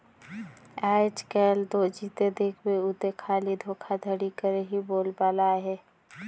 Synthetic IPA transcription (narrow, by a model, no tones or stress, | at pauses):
aːɪt͡ʃkɛːld̪oːd͡ʒiːt̪ed̪eːkʰweʊt̪ekʰaːlid̪ʱoːkʰad̪ʱəɽikəɾeɦiboːlbaːlaɦɛː